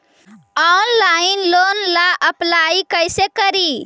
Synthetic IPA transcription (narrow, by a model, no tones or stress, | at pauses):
ɔnlainlonlaʔəplaikəjsekəɾi